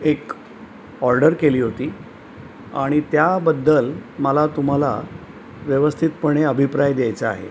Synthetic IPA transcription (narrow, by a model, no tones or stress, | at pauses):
ek | ɔɾɖəɾkeliːɦot̪iː | aɽ̃it̪jabəd̪ːəlməlat̪um̤ala̰ | ʋjəʋəst̪ʰit̪pəɳ̃eəbʱipɾajd̪jajt͡saa̰ɦḛ